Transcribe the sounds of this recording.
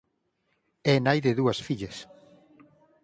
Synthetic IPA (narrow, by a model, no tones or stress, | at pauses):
ɛnajðɪðuɐsfiʎes